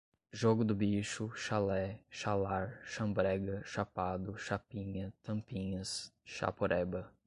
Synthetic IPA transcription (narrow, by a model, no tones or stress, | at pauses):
ʒoɡʊd̪ʊbiʃʊʃalɛʃalaɾʃɐ̃mbɾɛɡɐʃapad̪ʊʃapĩɲɐt̪ɐ̃mpĩɲɐsʃa̰poɾʔɛbɐ